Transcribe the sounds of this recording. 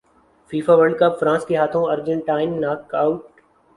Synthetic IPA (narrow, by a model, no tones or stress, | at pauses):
fiːfaʋəɾɖkəpfɾãːskeɦaːt̪ʰõɐɾd͡ʒə̃ɳʈaːɪnːaːkaːʊʈ